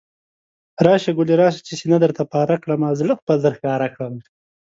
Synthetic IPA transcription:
ɾɑːʃaɡʊliɾɑːʃ̬ḁt͡ʃisinad̪əɾt̪apɑːɾakɽamazlaxpad̪əɾxkɑːɾakɽam

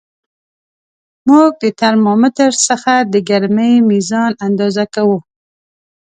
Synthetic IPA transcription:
muɡ̚d̪ət̪aɾmɑmɪt̪əɾsəxad̪əɡaɾməjmizɑnand̪ɑzakawu

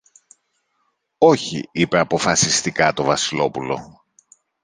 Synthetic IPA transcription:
o̞çḭipe̞ɐpo̞fɐsist̪ikɐt̪o̞vɐsilo̞pulo̞̰

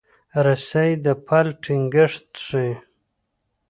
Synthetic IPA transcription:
ɾasajd̪əpʰalʈʰiŋɡɪʂt̪ʂe

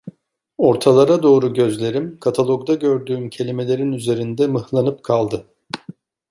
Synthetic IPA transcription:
o̞ɾt̪ʰalˠaɾad̪o̞ːɾuɟø̞zlʲe̞ɾimkʰat̪ʰalˠo̞kd̪aɟø̞ɾd̪yːmcʰe̞lʲime̞lʲe̞ɾinyze̞ɾind̪ɛmɯhlˠanɯp̚kʰalˠd̪ɯ

